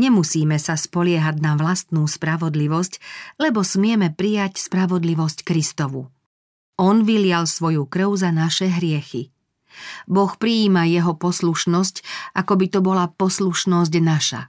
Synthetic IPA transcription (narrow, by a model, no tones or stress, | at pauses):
ɲɛmusiːmɛsaspɔlɪɛɦaɟnaʋlast̪nuːspɾaʋɔd̪liʋɔsclɛbɔsmɪɛmɛpɾijacspɾaʋɔd̪liʋɔsckɾist̪ɔʋu | ɔnʋilɪalsʋɔjukɾ̩ʊzanaʃɛɦɾɪɛxi | bɔxpɾiːmajɛɦɔpɔsluʃnɔscakɔbit̪ɔbɔlapɔsluʃnɔz̬ɟnaʃa̰